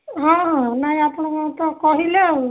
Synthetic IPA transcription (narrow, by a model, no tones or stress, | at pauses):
ɦɔ̃ɦɔ̃naĩapɽ̃ɔkɔ̃t̪ɔkɔɦile